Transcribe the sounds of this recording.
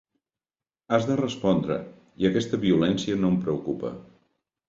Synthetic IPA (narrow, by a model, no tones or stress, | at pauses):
azðərəspɔnd̪ɾə̰ | iəkɛst̪əβiulɛnsiənompɾəukupə̰